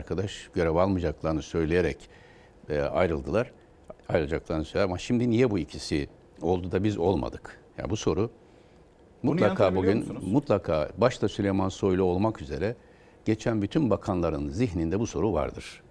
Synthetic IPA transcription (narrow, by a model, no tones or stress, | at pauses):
aɾkʰad̪aʃɟ̥ø̞ɾɛvalˠmɯd͡ʒaklˠaɾnɯsø̞jlʲejeɾɛc | a̰jɾɯlˠd̪ɯlˠaɾ̥ | ajɾɯlˠad͡ʒaklˠaɾnɯsøjlʲæɾamaʃimd̪inijɛbuicʰisi | o̞lˠd̪ud̪abizo̞lˠma̰d̪ɯkja̰buso̞ɾu | mut̪lˠakʰaːbuɡynmut̪lˠakʰaːbaʃt̪ʰasylʲejmanso̞jlˠuo̞lˠmakyze̞̰ɾɛ | ɟ̥e̞t͡ʃʰænbyt̪ʰynbakʰanlˠaɾɯnziçnind̪ɛbuso̞ɾuva̰ɾd̪ɯ̰ɾ̥